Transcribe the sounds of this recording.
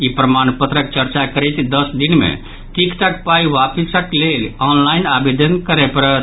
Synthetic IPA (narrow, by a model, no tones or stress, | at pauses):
ipɾəmanpət̪ɾək̚t͡ʃəɾt͡ʃakəɾɛjt̪d̪əsd̪inmḛ̃ | ʈikʈak̚paiʋapəsəklelɔnlainabed̪ənkəɾepəɾət̪